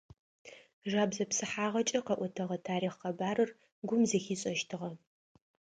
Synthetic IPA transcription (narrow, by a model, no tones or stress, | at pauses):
ʒaːbzɐpsɨħaːʁɐt͡ʃʼɐqɐʔʷɔtʰɐʁɐtʰaːɾiːχqɐbaːrɨr | ɡʷʊmzɐxiːɕʼɐʃtʰɨʁɐ